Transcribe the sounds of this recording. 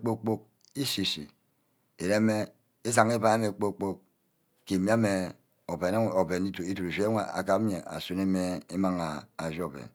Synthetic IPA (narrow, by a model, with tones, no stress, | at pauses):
k͡po˦k͡po˦k̚ | i˦si˨sḭ˨ | e˨ɾe˦me˦ | e˦za˨ŋe˦ba˨˦e˦me˨k͡po˦k͡po˦k̚ | ke˨mi˦a˦me˨ | o˨be˨na˦˨o˨be˨ni˦tu˨i˦tu˨ɾu˨ʒe˦ŋʷa˨a̰˨ka˦pɲe˨ʔa̰˨su˦ne˦me˨e˦ma˦ŋa˨a˨ʒi˦o˨bḛ˨n